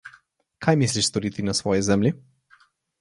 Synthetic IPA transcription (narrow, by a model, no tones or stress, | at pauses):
kʰajmisliʃst̪ɔɾiːt̪inasʋɔːjɛzɛmlʲi